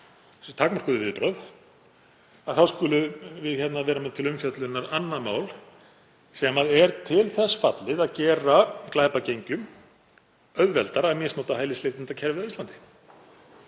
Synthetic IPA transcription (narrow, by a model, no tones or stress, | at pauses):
t̪ʰakmar̥kʏðʏvɪðpɾœθ | aðθaðskʏlʏvɪðçɛt̪navɛːɾamɛt̪ʰɪlʏmfjœt̪lʏnaɾanːamaːwl | sɛmaðɛɾt̪ʰɪlθɛsːfat̪lɪðaðcɛːɾaklaːjpacejɲcʏm | œðvɛlt̪aɾamɪsnɔːt̪ahajlɪslejht̪ɪnt̪acʰɛɾvɪðavist̪lant̪ɪ̥